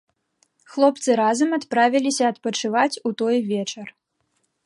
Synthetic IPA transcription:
xlˠɔpt̪sɨɾazɐmɐt̪pɾavʲilʲisʲɐːt̪pɐt͡ʂɨvat͡sʲut̪ɔjvʲɛt͡ʂɐr

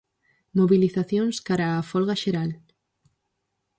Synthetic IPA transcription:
moβiliθaθjoŋskaɾaːfɔlɣaʃeɾal

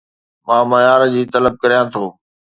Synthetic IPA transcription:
mãːmɐjaːɾd͡ʑiːt̪ɐləb̚kɐɾijãːt̪ʰoː

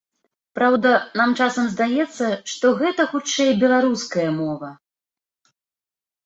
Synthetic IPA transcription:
pɾawd̪ɐnamt͡ʂasɐmzd̪ajɛt̪sːɐʂt̪ɔɣɛt̪ɐxut͡ʂɛjbʲɛlˠaɾuskɐjɐmɔvɐ

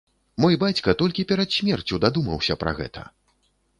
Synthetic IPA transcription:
mɔjbat͡sʲkɐt̪ɔlʲkʲipʲɛɾɐt̪sʲmʲɛrt͡sʲud̪ad̪umɐwsʲɐpɾɐ̰ɣɛ̰t̪ʰɐ̰

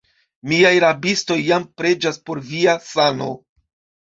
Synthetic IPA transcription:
miajɾabisto̞jːampɾe̞d͡ʒaspo̞ɾviasano̞̰

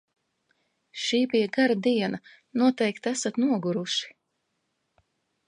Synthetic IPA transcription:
ʃiːbijaɡaɾad̪iɛnɐ | nuɔt̪ɛjkt̪æsat̪nuɔɡuɾuʃi̥

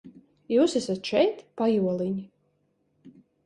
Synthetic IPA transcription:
juːsæsat̪ʃɛjt̪pajuɔlˠiɲi

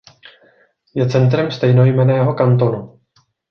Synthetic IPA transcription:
jɛt͡sɛnt̪ɾɛmst̪ɛjno̞jmɛnɛːɦo̞kant̪o̞nu

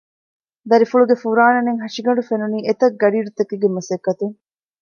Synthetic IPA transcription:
d̪ɐɾifuɭuɡefuɾaːnɐneŋɦɐʂiɡɐɳɖufenuniːʔet̪ɐɡːɐɖiːɾut̪ɐkiɡemɐsɐkːɐt̪uŋ

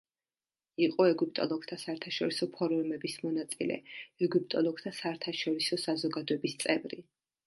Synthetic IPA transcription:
iqʼɔɛɡup̚ʼt̪ʼɔ̰lˠɔɡ̚t̪ʰasaɛɾt̪ʰaʃɔɾisɔpʰɔɾɔmɛbismɔnat̪sʼḭlɛ̰ɛɡyp̚t̪ʼɔlˠɔɡ̚t̪ʰasaɛɾt̪ʰaʃɔɾisɔsazɔɡad̪ɔɛbist̪sʼɛvɾi

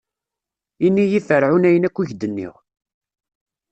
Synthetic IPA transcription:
inːijifəɾʕunæjənækʷːiʝd̪ənːḭʁ

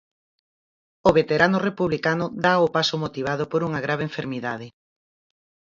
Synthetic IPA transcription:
oβet̪eɾanʊrepuβlikanʊðaopasʊmot̪iβ̞aðʊpoɾuŋɐɣɾaβ̞eɱfeɾmiðaðɪ

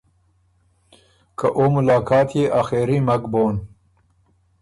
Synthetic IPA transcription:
kʰɐʔoːmulaːkʰaːt̪ʰjeʔaːxeːɾimɐɡboːn

